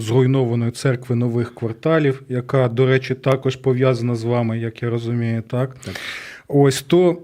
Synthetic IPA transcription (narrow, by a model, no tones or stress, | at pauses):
zrʊjnɔʋɐnɔjʊt̪sɛrkʋɪnɔʋɪxkʋɐrt̪ɑlʲiwjɐkɑd̪ɔɾɛt͡ʃɪt̪ɑkɔʒpɔʋʲjazɐnɐzʋɑmɪjɐkjaɾɔzʊmʲijʊt̪ɑk | ɔsʲt̪ɔ